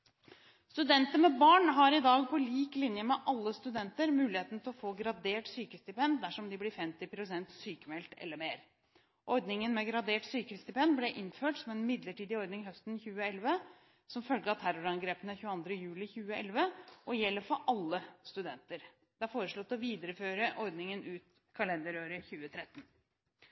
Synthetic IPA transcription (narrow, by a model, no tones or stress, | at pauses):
st̪ʉd̪ɛnt̪əmɛbɑːɳɦɑɾɪd̪ɑːɡpʰɔliːklɪnjəmɛʔɑlːəst̪ʉd̪ɛnt̪əɾmʉːlɪheːt̪n̩t̪ʰɪlɔfoːɡɾɑd̪eːʈsyːkəst̪ɪpɛnd̪æʂɔmd̪ɪblɪfɛmt̪ɪpʰɾʊsɛnt̪syːkəmɛlt̪ɛ̰lːəɾmeːɾ | ʔɔɾd̪nɪŋənmɛɡɾɑd̪eːʈsyːkəst̪ɪpʰɛnd̪blɛʔɪnføːʈsɔmɛnmɪd̪ləʈiːd̪ɪɔɾd̪nɪŋɦœst̪nçʉːəɛlʋə | sɔmfœlɡəɑt̪ʰæɾʊɾɑŋɡɾeːpənəçʉːɑnd̪ɾəjʉːlɪçʉːəʔɛlʋəʔɔjɛlːəɾfɔɾʔɑlːəst̪ʉd̪ɛnt̪əɾ | d̪̥ɛæɾfoːɾəʂɭɔt̪ːɔʋiːd̪əɾəføːɾəʔɔɾd̪nɪŋənʉːt̪ | kʰɑlɛnd̪əɾøːɾəçʉːət̪ʰɾɛt̪ːn